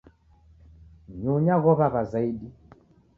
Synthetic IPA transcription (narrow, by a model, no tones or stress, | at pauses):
ɲuɲaɣɔβaβazaiɗi